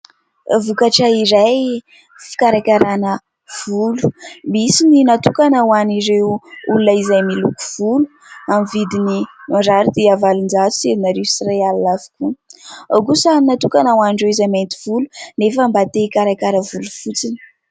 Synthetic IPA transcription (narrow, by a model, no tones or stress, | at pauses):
vukaʈ͡ʂəiɾaj | fi̥kaɾakʲaɾanə | v̥ulu̥misininat̪ukanawaniɾewulunaizajmiluku̥v̥ulu̥ | amivid̪inimaɖ͡ʐaɾid̪eavalind͡zat͡su̥seɾinaɾesiɾaalnavi̥kuawkusannat̪ukanawaɳɖ͡ʐeizament̪i̥v̥ulunefəmbat̪ekaɾakʲaɾəvulufut͡sinə̥